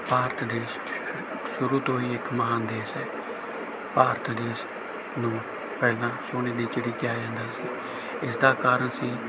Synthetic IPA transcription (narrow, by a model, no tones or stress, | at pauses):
paːɾt̪d̪eːs | sʊɾuːt̪õːiːɪkməɦaːnd̪eːsɦɛː | paːɾt̪d̪eːs | nũː | pɛːlãːsoːneːd̪iːt͡ʃəɽiːkɪjaːd͡ʒãːnd̪aːsiː | ɪsd̪aːkaːɾəɳsiː